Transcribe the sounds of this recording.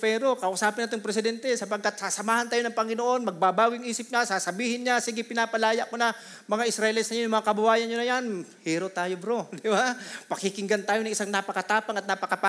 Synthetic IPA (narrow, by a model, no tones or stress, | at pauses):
pɛɾo̞kɐʔʊsaːpɪnat̪oŋpɾɛsɪd̪ɛnt̪ɛsɐpɐɡ̚kat̪̚sasɐmaːhɐnt̪aːjonɐŋpɐŋɪnoʔo̞nmɐɡ̚babaːɡɪŋʔiːsɪp̚ɲasaːsɐbiːhɪnɲasiːɡɪpɪnaːpɐlaːjaʔkonɐ | mɐŋaʔɪsɾɐʔɪlɪt̪sɐɲojʊmɐŋakɐbʊwaːjɐnɲonɐjanhiːɾoʔt̪aːjobɾod̪ɪbapɐkɪkɪŋɡant̪aːjoɐŋʔɪsaŋnapɐkɐt̪aːpaŋɐt̪napɐkapa